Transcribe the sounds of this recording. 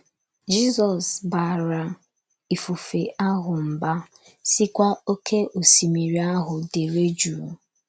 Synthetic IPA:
d͡ʒi˦zɔ˨sba˨ɾa˨ | i˨fu˨fe˨a˦ɦʊ˨m̩˨ba˦ | si˦kʷa˦o˦kʰe˦ʔo˨si˨mi˨ɾi˨a˦ɦʊ˨de˨ɾe˦d͡ʒu˨

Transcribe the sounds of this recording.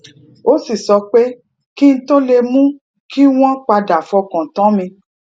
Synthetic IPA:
o˦si˦˨sɔ˧k͡pe˦ | ki˦n̩˦to˦le˧mũ˦ | ki˦w̃ɔ̃˦k͡pa˧da˨fɔ˧kã˨tã˨˦mĩ˧

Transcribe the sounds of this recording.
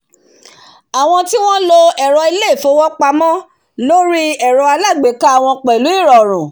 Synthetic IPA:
a˨w̃ɔ̃˧ti˦w̃ɔ̃˦lo˧ɛ˨ɾɔ˧i˧le˦˨fo˨˦wɔ˦k͡pa˧mɔ̃˦ | lo˦ɾi˦ɛ˨ɾɔ˧a˧la˦˨ɡ͡be˨˦ka˦a˦˨w̃ɔ̃˧k͡pɛ˨lu˨˦i˦˨ɾɔ˨ɾ̃ũ˨

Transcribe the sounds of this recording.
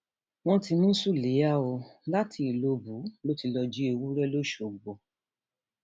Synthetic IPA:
w̃ɔ̃˦ti˧nũ˦su˦˨le˨˦ja˦o˧la˦tʰi˨˧i˨lo˨˧bu˨˦lo˦ti˧lɔ˧d͡ʒi˦e˧wu˦ɾɛ˦lo˦ʃo˨ɡ͡bo˨

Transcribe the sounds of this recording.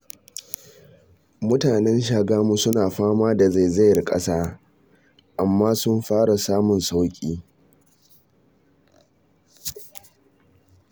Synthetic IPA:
mʊ˦taː˨nɛ˦nʃ̬aː˨ɡaː˦mu˦sʊ˦naː˨ɸaː˦maː˦da˨za˦˨jza˦jrkʼɐ̰˦saː˦ | ʔa˨mːaː˦sʊ˦mɸaː˦ɽa˨saː˦mʊ˨nsa˦wkʲʼiː˦

